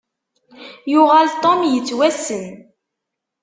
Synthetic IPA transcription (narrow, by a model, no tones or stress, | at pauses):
jʊʁalt̪ˤomjət͡sːwæsən